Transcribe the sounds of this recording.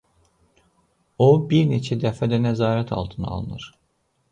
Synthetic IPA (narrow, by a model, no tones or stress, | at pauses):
obiɾnet͡ʃʰɛd̪ɛfæd̪ɛnɛzaːɾɛt̪ʰa̰lˠt̪ʰɯnɯ̰a̰lˠɯnɯ̰ɾ̥